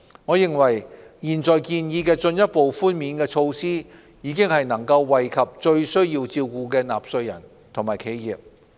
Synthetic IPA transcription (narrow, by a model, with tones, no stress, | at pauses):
ŋɔː˨˧jɪ˨ŋwɐ˨˩jjiː˨˩nt͡sɔː˨jkiː˧njiː˨˧kɛː˧t͡sɵ˧njɐ˥t̚po˨wfuː˥nmiː˨˧nkɛː˧t͡ʃʰo˧wsiː˥ | jiː˨˧kɪ˥ŋhɐ˨jnɐ˨˩ŋkɐ˧wːɐ˨jkʰɐ˨p̚t͡ʃɵ˧ɥsɵ˥ɥjiː˧wt͡siː˧wkuː˨˧kɛː˧na̰ː˨˩p̚sɵ˧ɥjɐ̰˨˩n | t̪ʰo˨˩ŋmaː˨˩jkʰe˨˧jjiː˨p̚